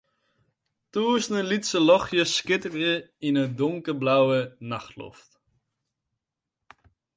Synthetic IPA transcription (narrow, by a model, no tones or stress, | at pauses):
tuːsnəlitsəlɔχjəskɪtərjəinədɔŋkəblawənaχtlɔ̰ft